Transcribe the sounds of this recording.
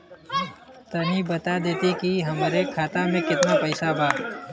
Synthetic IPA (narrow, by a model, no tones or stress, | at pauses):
t̪ɐnibɐt̪ad̪eːt̪ikiɦɐmɾekʰaːt̪amẽkɪt̪napɐɪsabʱaː